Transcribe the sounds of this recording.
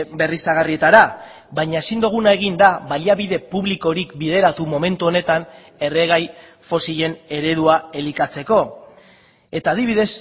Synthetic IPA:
be̞rist̪aɣ̞arie̞t̪aɾa | βaɲaesind̪uɣ̞unae̞ɣ̞ind̪aβaliaβiðe̞puβliko̞ɾikbiðe̞ɾat̪umo̞me̞nt̪uo̞ne̞t̪an | e̞re̞ɣaj | fo̞siʎe̞ne̞ɾe̞ðuae̞likat͡se̞ko̞ | e̞t̪aːðiβ̞iðe̞s

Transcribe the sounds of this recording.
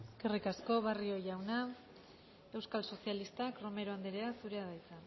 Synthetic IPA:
kerikasko̞βario̞ʝawna | e̞wskalso̞sialist̪akɾo̞me̞ɾoand̪eɾe̞asuɾe̞aðajt͡sa

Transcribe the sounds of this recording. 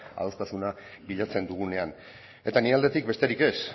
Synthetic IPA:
a̰ost̪asuna | biʎat͡se̞nd̪uɣ̞une̞an | e̞t̪aniald̪e̞t̪ik̚be̞st̪e̞ɾike̞s

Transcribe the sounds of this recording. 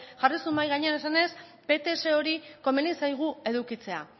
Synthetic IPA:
ʝarisumbajɣaɲe̞anesane̞s | pe̞t̪e̞se̞o̞ɾiko̞menisajɣ̞ue̞ðukit͡se̞a̰

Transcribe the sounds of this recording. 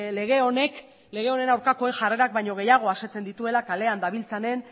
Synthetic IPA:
le̞ɣ̞e̞o̞ne̞k | leɣ̞e̞o̞ne̞nawɾkako̞e̞nʝare̞ɾak̚bajɲo̞ɣ̞e̞jaɣ̞o̞aset͡se̞nd̪it̪ue̞lakale̞and̪aβilt͡sane̞n

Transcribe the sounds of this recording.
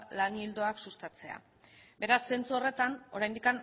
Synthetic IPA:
laŋɡild̪o̞aksust̪at͡se̞a̰ | be̞ɾasːe̞nt͡suore̞t̪ano̞ɾajnd̪ikan

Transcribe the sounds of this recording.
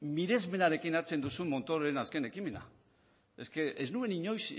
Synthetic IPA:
miðe̞zme̞naɾe̞kinaɾt͡se̞nd̪usumːo̞nt̪o̞ɾoenaske̞ne̞kime̞na̰ | e̞skeʔeznue̞niɲo̞js

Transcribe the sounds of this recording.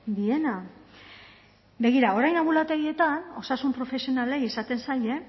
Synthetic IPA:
d̪ie̞na | be̞ɣ̞iɾao̞ɾajnaβulat̪e̞ɣie̞t̪ano̞sasumpɾo̞fe̞sio̞nale̞jesat̪e̞nsaje̞

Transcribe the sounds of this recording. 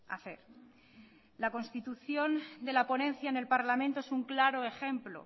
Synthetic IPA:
a̰θḛɾ | lako̞nst̪it̪uθjo̞nd̪e̞lapo̞nẽ̞n̟θjaene̞lpaɾlamẽnt̪oesuŋklaɾo̞e̞xẽ̞mplo̰

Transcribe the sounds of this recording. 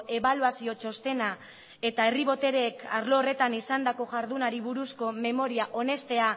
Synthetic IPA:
ʔe̞βaluasio̞t͡ʃo̞st̪e̞na | e̞t̪ae̞riβ̞o̞t̪e̞ɾekaɾloːre̞t̪anisand̪ako̞ʝaɾðunaɾiβuɾusko̞me̞mo̞ɾiaʔo̞ne̞st̪e̞a

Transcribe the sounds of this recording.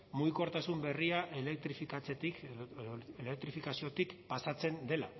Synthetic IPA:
muɣiko̞ɾt̪asumbe̞riaʔelek̚t̪ɾifikat͡set̪ik | elek̚t̪ɾifikasio̞t̪ikpasat͡se̞nd̪e̞la

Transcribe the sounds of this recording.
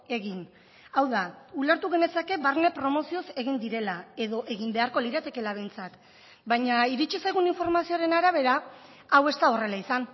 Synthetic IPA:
e̞ɣin | awðaulaɾt̪uɣe̞ne̞sake̞baɾnepɾo̞mo̞sio̞se̞ɣind̪iɾe̞lae̞ðo̞ʔe̞ɣimbe̞aɾko̞liɾat̪e̞ke̞laβe̞jnt͡sak | baɲaiɾit͡ʃisajɣ̞uniɱfo̞ɾmasio̞ɾe̞naɾaβ̞e̞ɾa | awe̞st̪ao̞re̞laisan

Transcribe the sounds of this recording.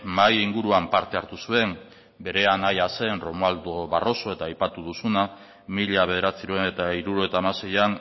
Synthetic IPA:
majiŋɡuɾuampaɾt̪e̞aɾt̪usue̞m | be̞ɾe̞anajase̞nro̞mald̪oβaro̞so̞e̞t̪aːjpat̪uðusuna | miʎaβe̞ð̞e̞ɾat͡siɾuenet̪aiɾuɾoe̞t̪aːmase̞jan

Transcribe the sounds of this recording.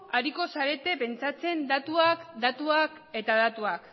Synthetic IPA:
aɾiko̞saɾe̞t̪e̞pe̞nt͡sat͡se̞nd̪at̪uakd̪at̪uak | e̞t̪aðat̪uak

